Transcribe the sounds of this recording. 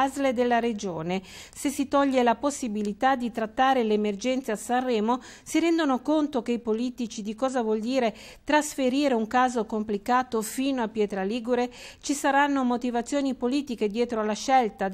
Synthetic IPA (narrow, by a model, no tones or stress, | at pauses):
azled̪elːaɾed͡ʒoːnesesːit̪ɔʎːelaposːibilit̪ad̪ːit̪ɾat̪ːaːɾeleːmerd͡ʒɛnt̪seasarːɛːmo | siɾɛnd̪onokont̪ok̟eipoliːt̪it͡ʃid̪ikɔːzavwɔld̪iːɾe | t̪ɾasfeɾiːɾeuŋkaːzokomplikaːt̪ofiːnoapːjɛːt̪ɾaliːɡuɾet͡ʃisaɾanːomot̪ivat̪sːjoːnipoliːt̪iked̪jɛːt̪ɾoalaʃɛlt̪a